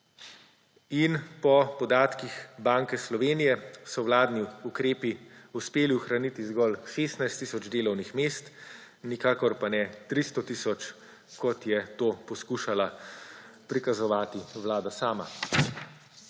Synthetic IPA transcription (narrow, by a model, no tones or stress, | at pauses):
inpɔpɔd̪aːt̪kixbaːŋkɛslɔʋeːnijɛsɔwlaːd̪niukɾeːpiuspeːliuxɾanit̪izɡɔlʃeːst̪najst̪ːiːsɔd͡ʒd̪eːlɔwnixmeːst̪ | nikaːkɔɾpanɛt̪ɾist̪ɔt̪iːsɔt͡ʃ | kɔt̪jɛt̪oːpɔskuːʃala | pɾikazɔʋaːt̪iʋlaːd̪asaːma̰